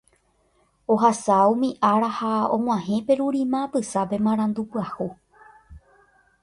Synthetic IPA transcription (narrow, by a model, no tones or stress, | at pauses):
oɦasaumĩʔaɾahaõŋ̃ʷãhẽ̞pe̞ɾuɾĩmãpɨsape̞mãɾ̃ãnd̪upwahu